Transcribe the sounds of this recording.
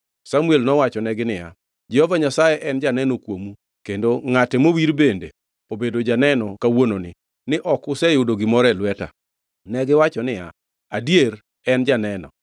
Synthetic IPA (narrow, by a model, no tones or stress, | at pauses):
samuelnɔwat͡ʃɔnɛɡɪnɪja̰ | d͡ʒɛhovaɲasajɛʔɛnd͡ʒanɛnokwomu | kendoŋatɛmowiɾbende | obedod͡ʒanɛnɔkawononɪ̰ | nɪʔɔkʊsɛjʊdoɡɪmɔɾɛlwɛta̰ | nɛɡɪwat͡ʃɔnɪja̰ | adjeɾ | ɛnd͡ʒanɛnɔ̰